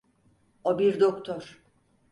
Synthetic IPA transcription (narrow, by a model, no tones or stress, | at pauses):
obiɾd̪okt̪ʰɔɾ̥